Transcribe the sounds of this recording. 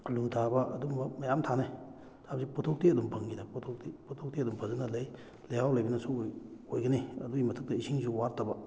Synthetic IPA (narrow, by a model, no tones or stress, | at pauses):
luŋtʰabɐʔɐdumbɐmɐjamtʰana | tʰabsipɔtʰok̚tiɐdumpʰɐŋɡidapɔtʰok̚tipɔtʰoktiɐdumpʰɐzɯnɐlɐj | lehawlɐjbinɐsuojɡɐniɐ̰duimɐtʰək̚tɐisʰiŋsuwaɾtːaba